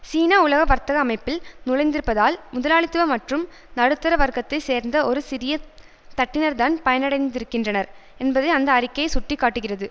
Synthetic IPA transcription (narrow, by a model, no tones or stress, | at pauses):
siːnaʊlɐɣɐʋɐɾt̪ɐɣɐːmɐɪpːɪlnʊɭɐɪnd̪ɪɾɯpːɐðaːlmʊðɐlaːɭɪt̪ːɯʋɐmɐʈrɯm | nɐɽɯt̪ːɐɾɐʋɐɾkɐt̪ːɐɪseːɾnd̪ɐɔɾɯsɪɾɪjɐ | t̪ɐʈːɪnɐɾt̪aːnpɐjɐnɐɽɐɪnd̪ɪɾɯkːɪndrɐnɐɾɛnbɐðɐɪɐnd̪ɐːɾɪkːɐjɐɪsʊʈrɪkːaːʈːɯɣɪrɐðɯ